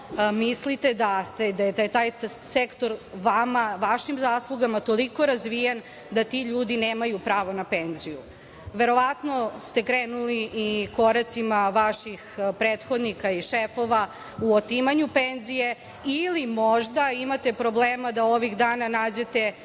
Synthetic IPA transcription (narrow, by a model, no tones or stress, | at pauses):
mislit̪e̞d̪ast̪ed̪ajed̪jet̪aːjsekt̪o̞ɾʋamaʋaʃimzaːslˠuɡamat̪o̞liko̞ɾazʋijan | d̪at̪iʎuːd̪ineːmajupɾaːʋo̞nape̞nziju | ʋe̞ɾo̞ʋat̪no̞st̪e̞kɾeːnuliʔːko̞ɾat̪simaʋaʃixpɾeːt̪xo̞d̪nikaiʃefo̞ʋa | uot̪imaɲupenzije̞ | ilimoʒd̪aimat̪e̞pɾo̞bleːmad̪ao̞ʋiɣd̪aːnanaːd͡ʑe̞t̪e̞